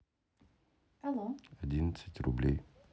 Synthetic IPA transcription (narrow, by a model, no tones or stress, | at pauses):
alˠoɐdʲinət̪sətʲrʊ̰blʲej